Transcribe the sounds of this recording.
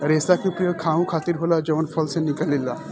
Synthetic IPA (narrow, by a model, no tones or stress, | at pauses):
ɾeːsakeʊpɾɐjoːɡ̚kʰaːʋũkʰaːt̪ɪɾɦoːlad͡ʒɔːnpʰəlsenɪkəlːilaː